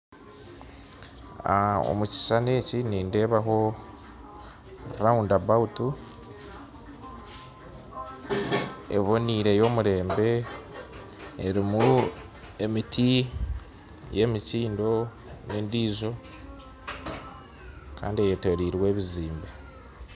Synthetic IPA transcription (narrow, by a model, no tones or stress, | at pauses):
ao̰muci̥sane̞ːciniːnde̞ːβaɦo̞ | raundabautu | e̞̰βo̞niːɾe̞jo̞ːmuɾe̞ːmbe̞ | ɾimu | e̞mitʰi | je̞miciːndo̞ | nendiːzo̞ | ka̰ːndiejetoɾiɾwe̞ːβiziːmbe